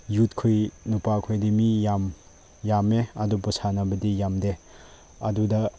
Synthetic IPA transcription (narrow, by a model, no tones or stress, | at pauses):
jutkʰojnupakʰojdimijam | jameɐdupusanɐbɐdijamde | ɐdudɐ